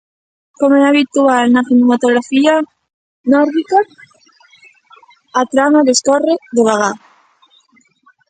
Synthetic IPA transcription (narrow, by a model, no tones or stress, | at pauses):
komɛaβit̪ualnaθinomat̪oɣɾafia | nɔɾðika | t̪ɾamaðeskoreðeβaɣa